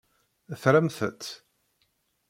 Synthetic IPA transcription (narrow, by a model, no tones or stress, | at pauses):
əθɾæmθə̰t̪ː